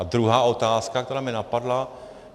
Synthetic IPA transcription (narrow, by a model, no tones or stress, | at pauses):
ad̪ɾuɦaːo̞t̪aːskak̚t̪ɛɾaːmɪnapadla